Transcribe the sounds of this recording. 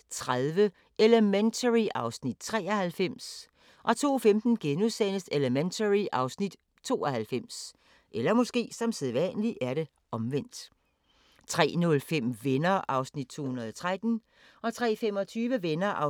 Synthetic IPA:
t͡sʰʁaðˠʋə | ʔeləment͡sʰəʁiʔɑ̈ʊsnid̥̚t͡sʰʁɛ̰ːɐhælfem̰s | ʔɒ̽t͡sʰo̝̰ːfemd̥n̩ɡ̥enuðˠsen̰əseləment͡sʰəʁiʔɑ̈ʊsnid̥ | t͡sʰo̝̰ːɒhælfem̰s | ʔelɐmɔ̽sɡ̥e̝̰ːsɒ̽mseðˠʋæ̰nəliʔæɐɾe̝ | ʔɒ̽mʋen̰d̥ | t͡sʰʁɛ̰ːnɔ̽lfem̰ʋenɐʔɑ̈ʊsnid̥̚t͡sʰo̝̰ːhunɐð̩ˠɒt͡sʰʁad̥n̩ | ɒ̽t͡sʰʁɛ̰ːfem̰ɒ̽t͡sʰyːʋəʋenɐʔɑ̈

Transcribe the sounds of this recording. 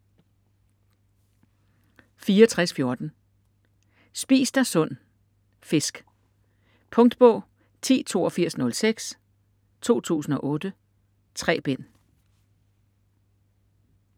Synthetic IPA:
fiːɐɒt͡sʰʁasfjo̝ɐd̥n̩ | sb̥ḭːsd̥ɑsɔ̽n̰ | fe̝sɡ̥ | pʰɔ̽ŋd̥b̥ɔ̽ʊ | t͡sʰḭːt͡sʰo̝̰ːɐfiɐ̰snɔ̽lseɡ̥s | t͡sʰo̝̰ːt͡sʰṵːsn̩ɒ̽ʔɔ̽ːd̥ə | t͡sʰʁɛ̰ːb̥en̰

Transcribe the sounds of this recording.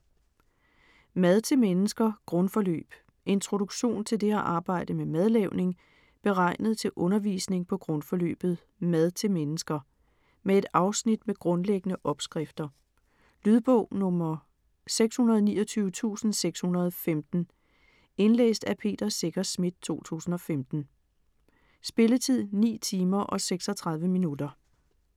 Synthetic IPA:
mæð̞ˠt͡sʰe̝lmenəsɡ̥ɐɡ̥ʁɔ̽nfɒ̽lø̰ːb̥ | ʔe̝nt͡sʰʁo̝ɾ̥uɡ̥ɕo̝̰ːnt͡sʰe̝ld̥e̝æʔɑ̈ːb̥ɑ̈ɪ̰d̥əmemæð̞ˠleʊne̝ŋ | b̥e̝ʁɑ̈ɪ̰nəð̩ˠt͡sʰe̝lʔɔ̽nɐʋḭːsne̝ŋpʰɒ̽ɡ̥ʁɔ̽nfɒ̽lø̰ːb̥ð̞̩ˠ | mæð̞ˠt͡sʰe̝lmenəsɡ̥ɐ | mee̝d̥ɑ̈ʊsnid̥meɡ̥ʁɔ̽nleɡ̥ənəʔɒ̽b̥sɡ̥ʁɛfd̥ɐ | lyðˠb̥ɔʊ̰nɔ̽mɐ | seɡ̥shunɐðˠnḭːɒt͡sʰyːʊʋət͡sʰṵːsn̩seɡ̥shunɐð̞ˠfemd̥n̩ | e̝nlḛːsd̥æpʰe̝̰ːd̥ɐse̝ɡ̥ɐsmid̥̚t͡sʰo̝̰ːt͡sʰṵːsn̩ɒ̽femd̥n̩ | sb̥e̝lət͡sʰið̰ˠnḭːt͡sʰiːmɐʔɒ̽seɡ̥sɒt͡sʰʁɑ̈ðˠʋəminud̥ɐ

